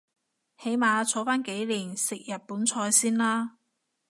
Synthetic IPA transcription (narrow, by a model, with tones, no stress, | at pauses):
he˨˥jmaː˨˧t͡sʰɔː˨˥faː˥nke˨˥jliː˨˩nsɪ˨k̚jɐ˨t̚puː˨˥nt͡sʰɔː˧jsiː˥nlaː˥